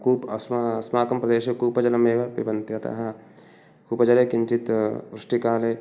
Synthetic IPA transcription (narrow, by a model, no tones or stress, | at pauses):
kuːpɐssmaːkɐmpɾɐd̪eːʃekuːpɐd͡ʒɐlɐmeːʋɐpɪɾbɐnt̪jɐt̪a̰ɦa | kuːpɐd͡ʒɐlekɪɲt͡ʃit̪ʋɾɪʂʈikaːleː